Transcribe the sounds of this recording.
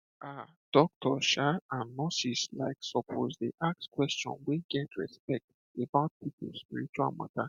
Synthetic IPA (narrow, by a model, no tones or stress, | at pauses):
ʔa | d̥ɔk̚tʰɔʃaãnːɔsislaɪksɔpʰo̰zdeʔak̚skwɛst͡ʃɔ̰̃nwiɡɛtɹɛ̰spɛk̚t | ebaʊt̚pipʰolspiɹit͡ʃua̰lmã̰ta